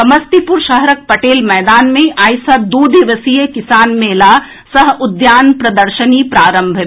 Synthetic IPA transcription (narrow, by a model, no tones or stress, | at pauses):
ɐməst̪ipʊɾʃɐɦɾək̚pɐʈeːlmɛːd̪aːnmẽʔaːjsəd̪uːd̪ɪʋəsijəkɪsaːnmeːla | sɐɦʊd̪jaːnpɾɐd̪əɾʃənipɾaːɾə̃mbʱ